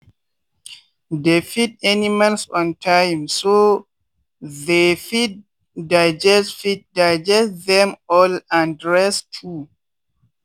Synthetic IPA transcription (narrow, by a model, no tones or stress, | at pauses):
defit̚ɛnimãnsɔ̃ntʰãjmso | ðefid̚ | daɪd͡ʒɛsfit̚daɪd͡ʒɛstðɛ̃mɔlãndɹɛstʰu